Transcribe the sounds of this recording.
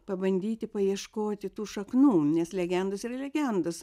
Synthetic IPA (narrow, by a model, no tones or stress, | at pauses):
pɐbɐnʲd̪ʲiːt̪ʲɪpɐjiɛʃkoːt̪ʲɪt̪uːʃɐknuːnʲɛslʲɛɡʲɛnd̪ʊsiːrɐlʲɛɡʲɛnd̪ʊs